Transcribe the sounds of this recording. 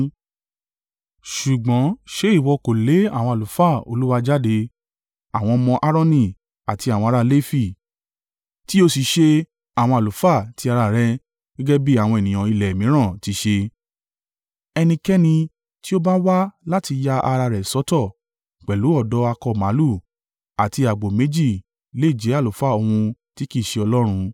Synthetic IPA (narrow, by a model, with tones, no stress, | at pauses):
ʃu˨ɡ͡bɔ̃˨˦ʃe˨˦i˦˨wɔ˧ko˨le˨˦a˦˨w̃ɔ̃˧a˨lu˨˦fa˦˨o̰˧lu˦wa˧d͡ʒa˦de˧ | a˨w̃ɔ̃˧mɔ̃˧ʔa˦ɾɔ̃˦nĩ˧˨ | a˨ti˧a˨w̃ɔ̃˧a˧ɾa˧le˦fi˦˨ | ti˦o˧si˨ʃe˧ | a˨w̃ɔ̃˧a˨lu˨˦fa˦˨ti˧a˧ɾa˧˨ɾɛ˧ | ɡɛ˦ɡɛ˦bi˦a˨w̃ɔ̃˧ɛ˨nĩ˨ã˨i˧lɛ˨mĩ˨˦ɾ̃ã˦˨ti˨˧˦ʃe˧ | ɛ˧nĩ˧kɛ˦nĩ˧ | ti˦o˦ba˦wa˦la˦ti˧ja˦ʔa˧ɾa˧ɾɛ˨sɔ˨˦tɔ˦˨ | k͡pɛ˨lu˨˦ɔ˦˨dɔ˨˧˦a˧kɔ˧˨mã˨˦lu˦˨ | a˨ti˧a˨ɡ͡bo˨mẽ˨˦d͡ʒi˦˨ | le˨˦˨d͡ʒe˨˦a˦˨o˨˦fa˦˨o˧hũ˧ti˦ki˦˨ʃe˧ɔ˧lɔ˦ɾ̃ũ˧